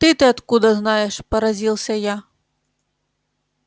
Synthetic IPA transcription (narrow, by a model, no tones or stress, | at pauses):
t̪ɨt̪ɨat̪kud̪ɐznajɛʂpɐɾazʲilˠsʲɐja